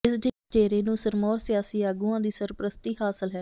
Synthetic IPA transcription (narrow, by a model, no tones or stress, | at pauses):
ɪsd͡ʒe | t͡ʃeːɾeːnũːsəɾmɔːɾsɪjaːsiːaːɡuãːd̪iːsəɾpɾəst̪iːhaːsəlɦɛː